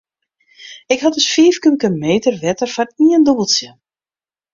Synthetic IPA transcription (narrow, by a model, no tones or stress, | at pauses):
ɪkhɔtəsfiːfkəməkəmeːtərʋɛtərfɔniəndɔbəlˠsjə